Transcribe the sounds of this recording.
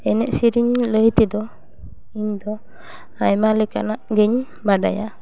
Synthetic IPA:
ɛnɛʔsiɾiɲləjt̪id̪ɔ | iɲd̪ɔ | ajmalikanaʔɡɛɲ | bada̰ja

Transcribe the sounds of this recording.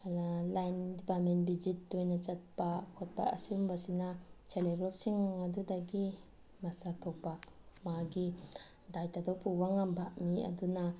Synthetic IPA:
lajndipatmenbid͡ʒit̚dojnat͡ʃɐt̚pakʰɔt̚pa̰ʔɐ̰sumbasinat͡ʃʰeleɡɾɔp̚siŋadudaɡi | masak̚tʰɔk̚bak̚ | maɡi | dajtadɔwpubaŋambʱaʔmiɐ̰duna

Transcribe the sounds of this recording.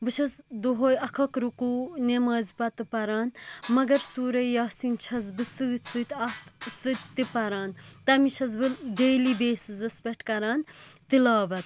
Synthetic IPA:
bɨt͡ʃʰɐsd̪oɦoːjɐkʰɐkɾukunemɐːzpɐt̪ɨpɐɾaːnmɐɡɐɾsuːɾɐjɐːsint͡ʃʰɐzbɨsɨt̪ʲsɨt̪ʲɐt̪sɨt̪ʲt̪ipɐɾaːnt̪ɐmit͡ʃʰɐzbɨɖeːlibeːsizɐspʲeʈkɐɾaːnt̪ilaːbɐt̪̚

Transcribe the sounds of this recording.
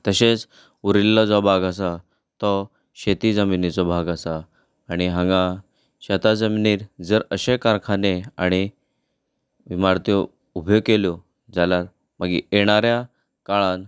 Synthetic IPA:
t̪əɕet͡s | uɾilːɔd͡zɔbʱaɡasa | t̪ɔ | ɕet̪id͡zəminit͡sɔbʱaɡasaː | ɽ̃iɦãŋɡã | ɕat̪ad͡zəminiːɾd͡zəɾəɕekaɾkʰaneaɽ̃i | ʋimaɾt̪ɔ | ubʱjoɡkeljo | d͡zalaɾ | məɡḭeɽ̃aɾja | kaɭãn

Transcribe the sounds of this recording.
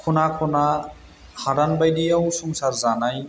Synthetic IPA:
kʰunakʰɔna | haɾanbajdijawsɔŋsaɹzanaj

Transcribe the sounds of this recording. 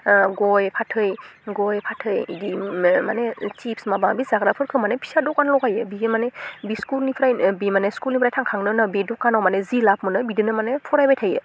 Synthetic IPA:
ɡɔjpʰatʰɯjɡɔjpʰatʰɯjdimanet͡ʃipsmabaŋbizaɡɾapʰɯɾkʰɯmanepʰi̥sadɔkːanlɔkajɯbimanebiskulnipʰɾajbimaneskulnipʰɾajtʰaŋkʰaŋnɯnɯbedɔkːanɔwmanezilapmɯnɯbidɯnɯmanepʰɔɾajbajtʰajɯ

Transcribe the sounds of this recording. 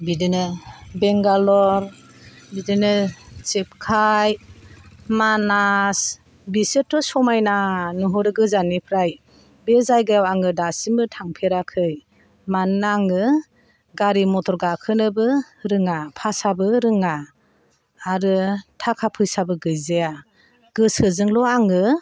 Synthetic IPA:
bidɯnɯbeŋɡalɔɾ | bidɯnɯt͡ʃep̚kʰaj | manas | bisɯtʰːɔsɔmajnanɯɦɔɾɯɡɯzanipʰɾaj | bezajɡajawaŋɯdasimɯtʰaŋpʰeɾakʰɯj | manaŋɯ | ɡaɾimɔtʰɔɾɡakʰɯnɯbɯ | ɾɯŋapʰasabɯɾɯŋaː | ɾɯtʰakʰapʰɯjsabɯɡɯjzeja | ɡ̥ɯsɯzɯŋlɔaŋɯ

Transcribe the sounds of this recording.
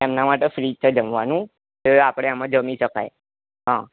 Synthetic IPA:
ɛmnamaʈefɾit͡ɕəd͡ʒəmʋanũ | t̪eapɽ̃eamad͡ʑəmiʃəka̰j | ɦã

